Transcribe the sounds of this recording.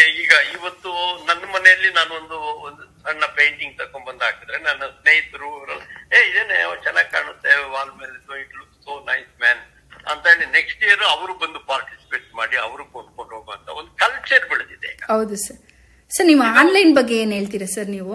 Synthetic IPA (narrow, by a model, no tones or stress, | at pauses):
eiːɡɐiʋɐt̪ːunɐnːɐmɐnɛjɐlːinaːnond̪uond̪u | ɐnːɐpejɳʈiŋɡt̪ɐkoɳbɐnd̪aːkid̪ɾenɐnːɐsneːɦit̪ːɾuiʋɾɐlːeːid̪eːnet͡ʃɛnːaɡ̚ka̰ːɳut̪ːeaːlmeːlesoiʈluksoːnɐjsmɛːn | ɐ̰nt̪aːnineksʈijɐɾɐʋɾubɐnd̪upaːɾʈi̥si̥peːʈmaːɽiɐ̰ʋɐɾukoɖ̚koɳɖɦoːɡɐːnt̪ɐond̪ukɐlt͡ʃɐɾbiɭt̪id̪eːɐɦɐwd̪usɐɾ | sɐɾnimaːnlɐjnbɐɡːeeːnɦe̞ːɭt̪̬iːɾɐsɐɾniːʋu